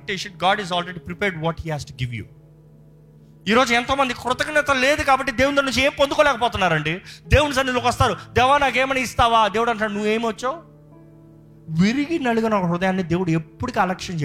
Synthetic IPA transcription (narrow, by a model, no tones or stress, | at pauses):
ʈeʃɐʈɡaːɖizaːlɾeɖipɾipɛːɾɖʋɔːʈhiːhaːsʈuɡiʋjṵː | iːɾo̞ːd͡ʒuɛnt̪oːmɐnd̪ikɾʊt̪ɐkɐnɛt̪ɐle̞ːd̪ukaːbɐʈːid̪e̞ːwunt̪ɐnuɲt͡ʃeːmipond̪ukoːlɛːkɐpɔːt̪unːaːɾɐɳɖid̪eːwunis̬ɐnːit̪loːkʋɐst̪aːɾud̪ɛːʋaːnaːkeːmɐnɐist̪aːʋaːd̪eːwuɽɐɳʈːaːɽnuʋːeːmʋɐt͡ʃːoː | ʋiɾiɡinɐɭuɡɐnɔkɐɾʊd̪ɐjaːnːid̪e̞ːwuɽuepːuɽikiːɐlɛkʂɐnt͡ʃe